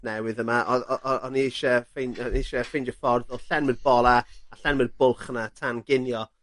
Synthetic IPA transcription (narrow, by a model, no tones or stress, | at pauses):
nɛwɨðəmaʔɔɔʔɔnieʃɛfejnejʃɛfejndjɔfɔrðɔlˠɬɛnmɨnbɔlˠaaɬɛnmɨnbʊlˠχənatʰanɡɪnjɔ